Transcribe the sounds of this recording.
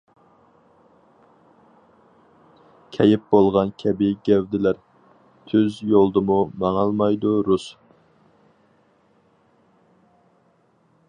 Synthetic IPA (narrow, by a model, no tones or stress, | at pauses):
kʲʰɛjɪp̚bolˠʁɑnkʲʰɛbɪɡʲɛwd̪ɪlæɾ | t̪ʰyzjolˠd̪ɨmumɑŋɑlˠmɑjd̪uɾus